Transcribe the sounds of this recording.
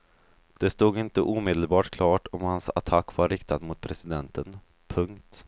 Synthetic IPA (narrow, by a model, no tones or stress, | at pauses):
d̪̥ɛst̪uːɡɪnt̪əʔuːmɪd̪əlbɑːʈkʰlɑːʈɔmhansa̰t̪ʰakːvaɾɪkt̪ad̪mʊt̪̚pʰɾɛsɪd̪ɛnt̪ən | pʰɵŋkt̪